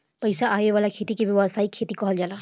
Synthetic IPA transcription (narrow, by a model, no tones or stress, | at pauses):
pəjsaʔajeʋalakʰet̪ikebɔwasaikʰːet̪ikɔɦɔld͡ʒala